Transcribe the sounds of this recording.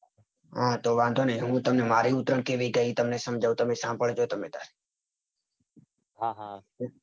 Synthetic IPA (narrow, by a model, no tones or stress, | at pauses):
ɦãːt̪oːʋãːnd̪ʱoːnəĩɦũːt̪əmnemaːɾiːʊt̪ɾəɳkeːʋiːɡəit̪əmnesəmd͡ʒʱaːʋt̪əmesãːmbəɭd͡ʒoːt̪əmeːt̪a̰ːɾe | ɦaɦa